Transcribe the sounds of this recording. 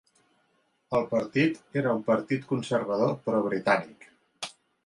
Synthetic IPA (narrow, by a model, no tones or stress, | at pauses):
əlˠpəɾt̪it̪eɾəumpəɾt̪it̪kunsəɾβəð̞opɾɔβ̞ɾit̪anik